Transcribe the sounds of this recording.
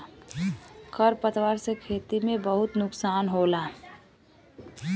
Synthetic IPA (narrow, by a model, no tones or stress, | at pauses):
kʰəɾpət̪waɾsekʰeːt̪imẽbəɦʊt̪nʊksaːnɦolaː